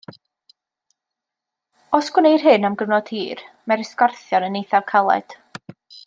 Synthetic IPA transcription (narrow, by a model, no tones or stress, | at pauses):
ɔsɡ̥wnejr̥ɦɨnamɡəvnɔd̥hiːr | mɛɾɪskɔrθjɔnənejθakʰalˠɛ̰d̥